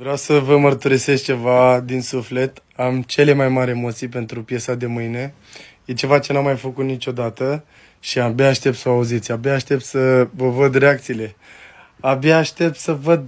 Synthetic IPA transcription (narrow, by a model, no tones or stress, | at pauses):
vɾeawsəvəmərt̪uɾise̞s̚t͡ʃe̞vad̪insufle̞t̪ | amt͡ʃe̞le̞majmaɾʲemo̞t̪sijpe̞nt̪ɾupje̞sad̪e̞mɨjne̞ | je̞t͡ʃe̞vat͡ʃe̞namːajfəkut̪nit͡ʃo̞d̪at̪ə | ʃiabjaːʃt̪ept̪səoauzit̪sʲabjaːʃt̪e̞p̚t̪səvəvəd̪ɾe̞ak̚t̪siːle̞ | abjaːʃt̪e̞p̚t̪səvəd̪